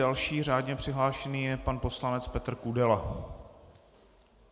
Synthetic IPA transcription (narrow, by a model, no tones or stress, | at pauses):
alʃiːr̝aːdɲɛpr̝̥ɪɦlaːʃɛniːjɛpanpo̞slanɛt͡spɛt̪r̩kudɛla